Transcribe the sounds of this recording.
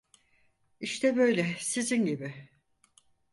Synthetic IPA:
iʃt̪ʰɛbø̞jlʲɛsizinɟibɪ

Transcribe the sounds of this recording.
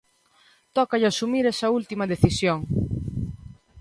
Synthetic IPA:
t̪ɔkɐʎɐsumiɾesɐult̪imɐðeθisjoŋ

